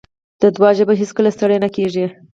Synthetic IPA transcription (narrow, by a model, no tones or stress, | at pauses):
d̪̥əd̪wɑʒebaɦiskəlast̪aɽəjnakeʐi